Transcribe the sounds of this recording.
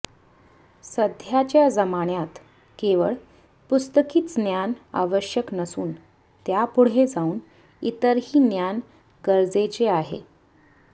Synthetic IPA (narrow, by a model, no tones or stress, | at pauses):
səd̪ʱjat͡ɕjad͡zəmaɳjat̪ | keʋəɭ | pust̪əkiːt͡snjana̰ʋəɕjəknəsuːn | t̪japuɽ̤ed͡zauːn | it̪əɾɦiːnjan | ɡəɾd͡zet͡ɕeaɦḛ